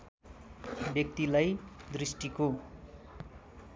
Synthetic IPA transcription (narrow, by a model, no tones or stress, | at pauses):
bjʌk̚t̪ilajd̪risʈiko